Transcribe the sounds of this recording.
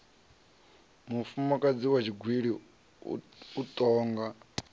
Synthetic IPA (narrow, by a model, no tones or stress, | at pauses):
mufumɔkʼad͡ziwat͡ʃʰiɡʱwiɺḭ | utʼɔːŋɡa